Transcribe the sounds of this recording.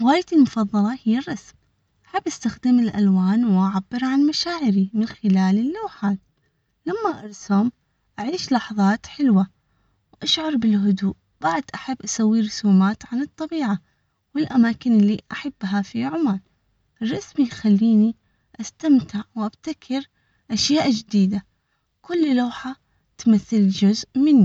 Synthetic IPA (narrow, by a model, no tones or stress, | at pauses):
ɣaːjɪt̪ɪlmʊfɑðˤːɑlɑhɪjːarˤːɑsm | ʔaħabːʔast̪axd̪ɪmɪlʔa̰lwaːnwʔaʕabːɪɾʕanmaʃaːʕɪɾimɪnxɪlaːlɪlːawħaːl | lamːaʔɑɾˤsʊm | ʔaʕiːʃlɑħðˤɑːt̪ħɪlwa | wʔaʃʕʊɾˤbɪlɦʊd̪uːʔ | b̥aʕd̪ʔaħabːʔasawːiɾˤʊsuːmaːt̪ʕanɨt̪ˤːɑbiːʕa | wɪlʔamaːkɪnɪlːiʔaħabːɦafiʕʊmaːl | ʔɪrˤːɑsmijxalːiːni | ʔast̪amt̪ɪʕwʔabt̪akʰɪɾ | ʔaʃjaːʔd͡ʒd̪iːd̪a | kʊlːlaːħa | t̪maθːɪld͡ʒʊzʔmɪnːi